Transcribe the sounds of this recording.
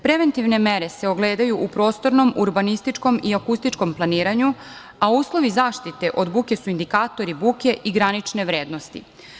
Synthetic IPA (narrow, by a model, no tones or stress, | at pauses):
pɾe̞ʋe̞nt̪iʋne̞meɾe̞se̞oɡleːd̪ajuʔupɾo̞ːst̪o̞ɾno̞mʔuɾbanist̪it͡ʂko̞miakust̪it͡ʃko̞mplˠaniːɾaɲu | auːslˠo̞ʋizaːʃt̪it̪e̞ʔo̞d̪bukʲe̞suind̪ikaːt̪o̞ɾibuːke̞ʔiɡɾanit͡ʂne̞ʋɾeːd̪nost̪ḭ